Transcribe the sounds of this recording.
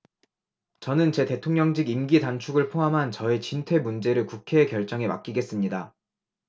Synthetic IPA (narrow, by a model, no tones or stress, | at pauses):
t͡ɕʌnɯnt͡ɕe̞te̞tʰoŋɲʌŋd͡ʑiɡimɡitant͡ɕʰuɡɯɭpʰoɦamɦant͡ɕʌe̞t͡ɕintʰwe̞mund͡ʑe̞ɾɯɭkukʰe̞ːkjʌɭt͡ɕ͈ʌŋe̞ma̰k͈̚iɡe̞s͈ɯmɲida